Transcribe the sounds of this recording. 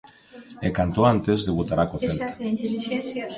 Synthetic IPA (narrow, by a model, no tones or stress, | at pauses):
ekant̪oant̪ezðeβut̪aɾakoθelt̪ḁ